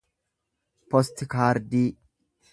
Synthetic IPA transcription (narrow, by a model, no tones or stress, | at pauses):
pɔst̪ɪkaːɾd̪iː